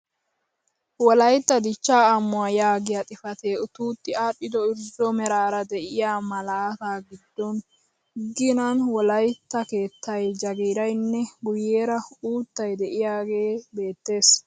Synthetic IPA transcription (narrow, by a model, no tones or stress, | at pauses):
wɔlɐjt̪ːɐd̪ɪt͡ʃːaːɐmːʊajaːɡɪjat̪ʼɪfɐt̪eːʊt̪uːt̪ːɪaːɗːɪd̪ɔɪɾzɔmɛɾaːɾɐd̪ɛʔɪjaːmɐlaːt̪aːɡɪd̪ːɔn | ɡːɪnɐnwɔlɐjt̪ːɐke̞ːt̪ʰːɐjd͡ʒɐɡiːɾɐjnːɛɡʊjeːɾɐuːt̪ːɐjd̪ɛʔɪjaːɡe̞ːbe̞ːt̪ːe̞ːs